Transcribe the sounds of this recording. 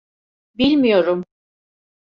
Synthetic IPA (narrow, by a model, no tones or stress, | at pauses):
bilʲmijo̞ɾum